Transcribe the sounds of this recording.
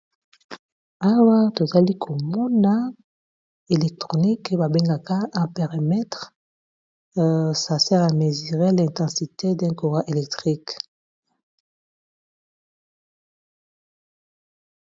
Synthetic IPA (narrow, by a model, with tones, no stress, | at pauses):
a˨wa˦to˨za˨li˦kʰo˨mɔ˦na˦ | e˨lɛ˨k̚tʁo˨ni˦kba˨be˦ŋɡa˨ka˦ʔã˦pɛ˨ʁi˨mɛ˦tʁ | sa˨sɛ˦ʁa˨me˨zi˨ʁe˦lɛ̃˨ntɑ̃˨si˨te˦dɛ̃˦ko˨ʁa˦ʔe˨lɛ˨k̚tʁi˦k